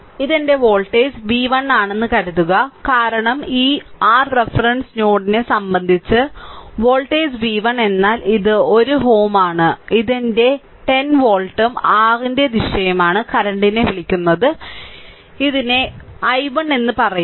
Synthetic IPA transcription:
iðende̞ʋo̞ːɭʈːeːsʋiːʋɐɳːaːɳe̞nːɨkɐɾuðːuɣɐkaːɾɐɳɐmiːaːrrefrɐɳɖsno̞ːɽine̞sɐmbɐnd̪ʱit͡ɕːɨʋo̞ːɭʈeːsʋiːʋɐɳe̞nːaːliðɨo̞ɾuɦo̞ːmaːɳɨiðinde̞ | ʈe̞nʋo̞ːɭʈːɐmaːrinde̞niɕɐjɐmaːɳɨkɐɾɐɳɖine̞ʋiɭikʲːunːɐðɨ | iðine̞ɐjʋɐɳe̞nːɨpɐrɐju

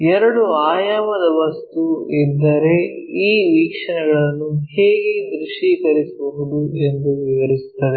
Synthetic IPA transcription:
ɛɾɐɽuaːjaːmɐd̪ɐʋɐst̪uid̪ːɐɾe̞iːʋiːkʂɐɳɛɡɐɭɐnːuheːɡekɾuʂiːkɐɾisibɐɦud̪ue̞nd̪uʋiʋɐɾisu̥t̪ːɐd̪e

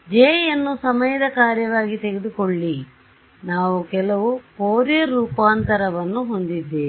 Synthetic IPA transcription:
d͡ʒeːjjɐnːusɐmɐjɐd̪ɐkaːɾjɐʋaːɡit̪eɡed̪ukoɭːi | naːʋukɛlɐʋupoːɾjɐɾuːpaːnt̪ɐɾɐʋɐnːuɦo̞nd̪id̪ːeː

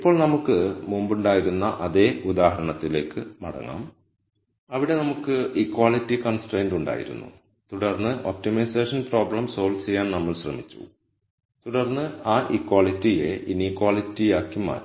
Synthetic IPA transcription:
ipːo̞ːɭnɐmukːɨmumbuɳɖaːjiɾunːɐʔɐðe̞ːud̪aːɦɐɾɐɳɐt̪ːile̞ːkːɨmɐ̰ɽɐ̰ŋːa̰ːm | ɐʋiɽe̞nɐmukːɨikːwaːɭitːikɐnsʈreːnɖuɳɖa̰ːjḭɾṵnːṵ | t̪uɽɐrnːɨʔo̰ːp̚timɐjseːʂɐnpro̞ːbrɐmso̞ːlt͡ɕejːaːnnɐmːɐɭɕrɐ̰mit͡ɕːṵ | t̪uɽɐrnːɨaːʔikːwaːlitːijeʔinikːwaːlitːijaːkːima̰ːɾ

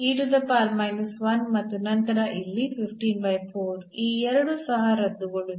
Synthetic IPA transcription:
iːʈud̪ɐpaːlmɐjlusʋɐnmɐt̪ːunɐnt̪ɐɾɐʔilːipʰipʰʈiːnbɐjpʰoːɾiːɛɾɐɽusɐɦɐɾɐd̪ːuɡɐɭu

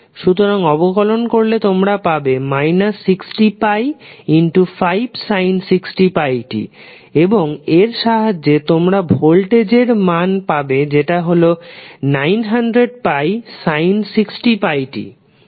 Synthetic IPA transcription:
ʃut̪oɾaŋɔbokɔlonkoɾlet̪omɾapabemajnasːiksʈipajinʈufajbsajnsiksʈipajʈḭ | eboŋeɾʃaɦad͡ʑːet̪omɾabʱolʈed͡ʑeɾmanpabed͡ʑeʈaɦolonajnɦanɖɾeɖ̚pajsajnsiksʈipajʈḭ

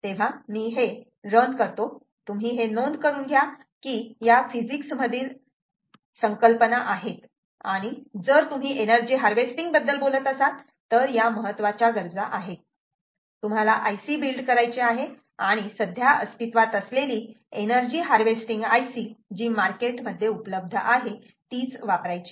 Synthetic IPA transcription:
t̪eʋ̤amiːɦe | ɾənd̪kəɾt̪o | t̪um̤ʱiːɦenond̪kəɾuːnɡʱja | kiːjafid͡ʑiksməd̪ʱiːl | səŋkəlpənaʔaɦet̪ | a̰ɽ̃id͡zəɾt̪um̤iːʔenəɾd͡ʑiːɦaɾʋesʈiŋɡbəd̪ːəlbolət̪əsat̪ː | əɾjaməɦət̪ːʋat͡ɕaɡəɾd͡zaʔaɦe | t̪um̤alaʔajsiːbilɖkəɾajt͡ɕeaɦe | aɽ̃isəd̪ʱjaʔəst̪it̪ʋat̪əsleliː | enəɾd͡ʑiːɦaɾʋesʈiŋɡajsiːd͡ʑiːmaɾkeʈməd̪ʱːjeupələb̚d̪ʱəʔaɦe | t̪iːt͡sʋapɾajt͡ɕi̥

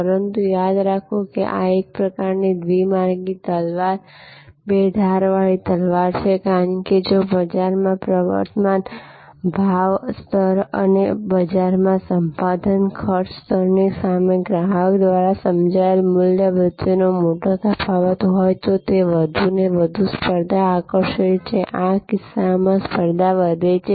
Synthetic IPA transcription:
pəɾənt̪ujad̪ɾakʰokḛʔa̰ek̚pɾəkaɾnid̪ʋimaɾɡit̪əlʋaɾ | bed̪ʱaɾʋaɭit̪əlʋaɾt͡ʃʰekaɾəɳked͡ʒobəd͡ʒaɾmãpɾəʋə̰ɾt̪əmanbʱaʋst̪ʰəɾə̰nebəd͡ʒaɾmãsəmpad̪ʱənkʰəɾt͡ʃst̪ʰəɾnesameɡɾaɦəkd̪ʋaɾasəmd͡ʒaelmʊljəbɾɪt̪jonomoʈok̪əpʰaʋət̪ɦojt̪ot̪eʋəd̪ʱuneʋəd̪ʱuspəɾd̪aːkəɾʃət͡ʃʰeʔakɪsːamãspəɾd̪aʋəd̪ʱet͡ʃʰe

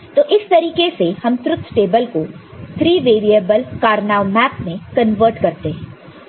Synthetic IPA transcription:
t̪oːʔɪst̪ɐɾiːkesehɐmt̪ɾʊt̪ʰːʈeːbəlko | t̪ʰɾiːʋeːɾiəbəlkaːɾnaːʋmɛːpmẽkɐ̃nʋəɾʈkɐɾt̪eɦɛ̃ː

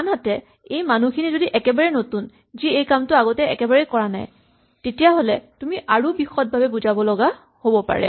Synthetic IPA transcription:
anɦatɛ | ejmanukʰinizodiʔɛkɛbaɹɛnotun | ziejkamtʊaɡɔtɛɛ̰kɛbaɹɛkɔɹana̰j | tetijaɦolɛtumiʔaɹubixɔt̚bʱabɛbuzabɔlɔɡa | hobɔpa̰ɹɛ̰

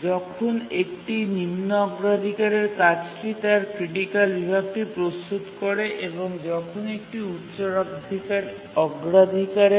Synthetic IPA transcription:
d͡ʑɔkʰonekʈinimnoɔɡɾad̪ʱikaɾeɾkat͡ɕʈit̪aɾkɾiʈikalːibʱab̚ʈipɾost̪ut̪kɔɾeʔeboŋd͡ʑɔkʰonekʈiutːɕoɾakd̪ʱikaɾ | ɔɡɾad̪ʱikaɾe

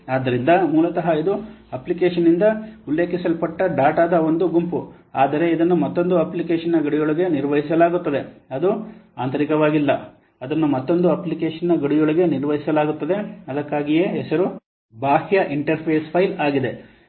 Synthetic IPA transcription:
aːd̪ːɐɾind̪ɐmuːlɐt̪ɐɦɐid̪uɐplikeːʂɐnːind̪ɐulːe̞ːkisɐlpɐʈːɐɖaːʈaːd̪ɐo̞nd̪uɡumpu | aːd̪ɐɾe̞id̪ɐnːumɐt̪ːo̞nd̪uɐplikeːʂɐnːɐɡɐɽijoɭiɡe̞niɾʋɐɦis̬ɐlaːɡut̪ːɐd̪e̞ɐd̪uaːnt̪ʰɐɾikɐʋaːɡilːɐ | ɐd̪ɐnːumɐt̪ːo̞nd̪uɐplikeːʂɐnːɐɡɐɽijoɭɐɡe̞niɾʋɐɦisɐlaːɡut̪ːɐd̪e̞ɐd̪ɐkːaːɡije̞ːɦɛsɐɾu | baːhjɐʔiɳʈɐɾpʰeːspʰɐjlaːɡid̪e̞

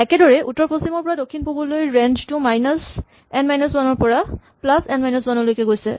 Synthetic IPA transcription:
ɛkɛdɔɹɛʔutːɔɹposimɔɹpɔɹadokʰːinpubɔlojɹɛnd͡ʒtumajnɔs | ɛnmajnɔswanɔɹpɔɹaplasɛ̃nmajnɔswanɔlojkɛɡojsɛ̰

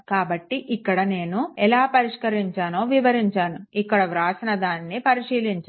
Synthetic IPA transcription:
kaːbɐʈːiʔikːɐɽɐne̞ːnuɛlaːpɐɾiʂkɐɾiɲt͡ʃaːno̞ːʋiʋɐɾiɲt͡ʃaːnuikːɐɽɐʋɾaːsinɐd̪aːnːipɐɾiʂiːliɲt͡ʃa

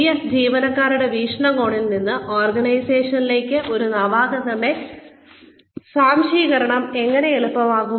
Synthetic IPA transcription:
jɐd͡ʑiːʋɐnɐkːaːɾuɽe̞ʋiːʂɳɐɣo̞ːɳilninːɨʔoːrɡɐɳɐjse̞ːʂɐnile̞ːkʲːɨʔo̞ɾunɐʋaːɣɐðɐɳɖe̞ | saːmʂiːɣɐɾɐɳɐme̞ŋːɐne̞eɭupːɐmaːɣu

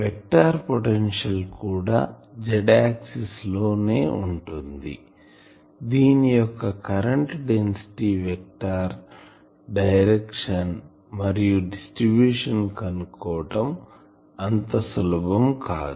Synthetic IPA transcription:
ʋek̚ʈaːɾpoʈenʂɐlkuːɽa̰ːd͡ʒɛɖaːksislo̞ːne̞̰ːuɳʈund̪ḭ | d̪iːnijɔkːɐkɐɾɐɳʈɖensi̥ʈiʋek̚ʈaːɾ | ɖɐjɾekʂɐn | mɐɾijuɖisʈɾibjuːʂɐnkɐnukɔːʈɐm | ɐnt̪ɐsulɐbɐmkaːd̪u

